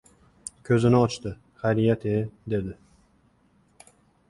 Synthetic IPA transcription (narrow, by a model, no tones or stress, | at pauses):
kʲʰɵzɪnɪɒt͡ʃt̪ɪ | χajɾijat̪ʰed̪e̞d̪ɪ